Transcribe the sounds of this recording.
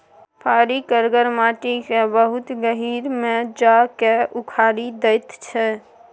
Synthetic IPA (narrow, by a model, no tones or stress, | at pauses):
pʰaːɾikəɾɡəɾmaːʈikebəɦʊt̪ɡəɦiːɾmẽd͡ʒakeukʰaːɾid̪ejt̪t͡ʃʰɛ